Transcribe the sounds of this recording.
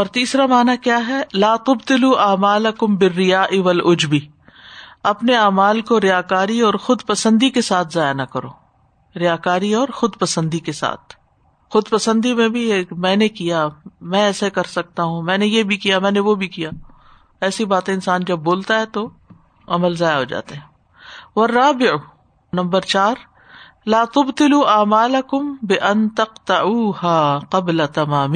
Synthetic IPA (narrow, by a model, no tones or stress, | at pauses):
ɔːɾt̪iːsɾamaːnakjaːɦɛlaːt̪ʊbt̪ɪluʔaːmaːlɐkʊmbɪrːɪjaːʔiʋɐlʊd͡ʒbi | ɐpneaːmaːlkoɾɪjaːkaːɾiɔːɾxʊd̪pɐsə̃nd̪ikesaːt̪ʰzaːjanɐkɐɾo̰ː | ɾɪjaːkaːɾiɔːɾxʊd̪pɐsə̃nd̪ikesa̰ːt̪̚ʰ | xʊd̪pɐsə̃nd̪imẽbʱimɛ̃ːnekijamɛ̃ɛːsekɐɾsɐk̚t̪aɦũmɛ̃ːnejebʱikijamɛ̃ːneʋobʱikijaː | ɛːsibaːt̪ẽɪnsaːnd͡ʒɐbːoːlt̪aɦɛt̪o | ɐməlzaːjaɦoːd͡ʒa̰ːt̪eɦɛ̃ː | ʋɐrːaːbɪʕ | nɐ̃mbəɾt͡ʃaːɾ | laːt̪ʊbt̪ɪluːʔaːmaːlɐkʊmbɪʔɐnt̪ɐqt̪ɐʕuːhaːqɐblat̪ɐmaːmiː